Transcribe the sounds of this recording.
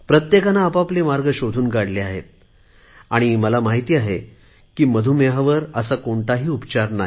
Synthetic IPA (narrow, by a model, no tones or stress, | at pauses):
pɾət̪jekanaːpaplemaɾɡəɕod̪ʱuːnɡaɽleaɦḛt̪̚ | aɽ̃iməlamaɦit̪iːaɦe | kiːməd̪ʱuːmeɦaʋəɾəsakoɳʈ̪aɦiːupt͡ɕaɾna